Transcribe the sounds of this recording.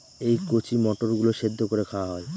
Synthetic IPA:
ejkot͡ɕimɔʈoɾɡuloʃed̪ʱːokoɾekʰawaɦɔe

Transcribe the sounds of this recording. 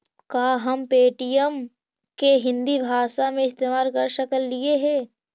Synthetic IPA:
kaːɦɐmpeːʈijəm | keɦɪ̃nd̪ibʱaːʃamẽɪst̪eːmaːɾkɐɾʃəkəlːieɦɛː

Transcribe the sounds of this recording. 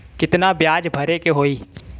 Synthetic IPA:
kɪt̪nabjaːd͡ʒbʱəɾekeɦoːiː

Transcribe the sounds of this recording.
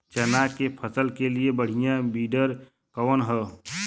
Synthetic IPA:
t͡ʃənakepʰəsəlkeliebəɽ̤ijãbiːɖəɾ | kəʋənɦɛː

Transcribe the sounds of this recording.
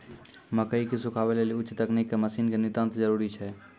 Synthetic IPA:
məkəikisukʰaβeleliʊːt͡ʃːt̪əknikːeməsiːnkenit̪ə̃nt̪d͡ʒəɾuɾit͡ʃʰɛ

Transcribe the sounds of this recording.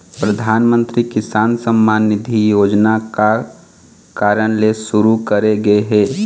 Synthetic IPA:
pɾɐd̪ʱaːnmə̃nt̪ɾikɪsaːnsəmːaːnːɪd̪ʱijoːd͡ʒnaka | kaːɾəɽ̃lesʊɾukɐɾeɡɐeɦɛː

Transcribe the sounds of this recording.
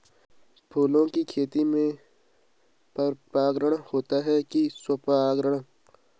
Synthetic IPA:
pʰuːlõkikʰeːt̪imẽ | pɐɾpaːɡɾəɽ̃hoːt̪aɦɛkiswɐpaːɡɾəɽ̃

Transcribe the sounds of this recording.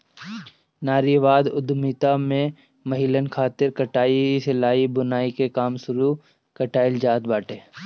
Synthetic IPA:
naːɾiʋaːd̪ʊd̪miːt̪amẽ | mɐɦɪlənkʰaːt̪ɪɾkɐʈaːisɪlaːibʊnaːikekaːmsʊɾu | kəʈaːɪld͡ʒaːd̪baːʈeː

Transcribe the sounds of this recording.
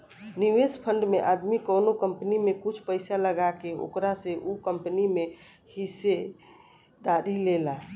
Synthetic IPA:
niʋespʰəɳɖmeʔad̪mikənokəmpnimekut͡ʃʰpəɪsaləɡakeo̰kɾaseʔukəmpnime | hise | d̪aɾilela

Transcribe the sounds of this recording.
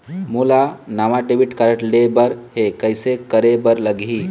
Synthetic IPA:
mulanaʋaɖebiʈkaɾəʈlebəɾɦekəjsekəɾebəɾləɡʱi

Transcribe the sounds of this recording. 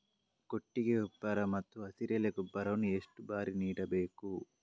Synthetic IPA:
koʈːiɡeubːɐɾɐmɐt̪ːuɐsiɾjɐleɡubːɐɾɐʋnːueʂʈubaːɾiniːɽɐbe̞ːku

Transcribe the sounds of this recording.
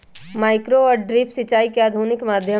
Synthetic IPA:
maːɪkɾoɔːɾɖɾɪpʰsɪt͡ʃaːikeaːd̪ʱuːnɪkmaːd̪ʱjə

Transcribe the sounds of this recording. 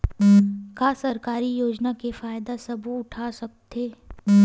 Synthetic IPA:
kaːsɐɾkaːɾijoːd͡ʒnakefaːjd̪asɐbuʊʈʰaːsɐk̚t̪ʰeː

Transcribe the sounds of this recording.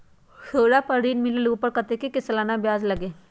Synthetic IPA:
xʰəːɽapəɾiːnmɪleluːpəɾkɐt̪ekekɪslaːnabjaːzlɐɡeː

